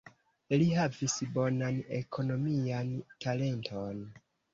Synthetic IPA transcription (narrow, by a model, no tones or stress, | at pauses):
liɦavisbo̞nanḛkʰo̞no̞miantʰale̞ntʰon